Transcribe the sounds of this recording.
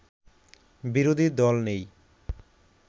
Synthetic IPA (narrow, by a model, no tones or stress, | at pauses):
biɾod̪ʱid̪ɔlnej